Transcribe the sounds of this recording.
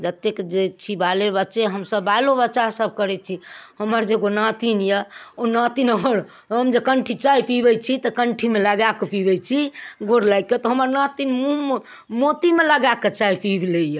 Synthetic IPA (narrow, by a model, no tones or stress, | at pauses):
d͡ʒət̪ːekd͡ʒet͡ʃʰibalebətːʃeɦəmsəbajlobətːʃasəb̚ʱkəɾɛt͡ʃʰiɦəməɾd͡ʒeɡonãt̪injəonãt̪inəɦəɾ | ɦəmd͡ʒekəɳʈʰit͡ʃaipibɛt͡ʃʰit̪ɔkəɳʈʰimeləɡakepibɛt͡ʃʰiɡoɾlajket̪ɔɦəməɾnãt̪inmũ | mot̪imeləɡaket͡ʃaipibʱlejə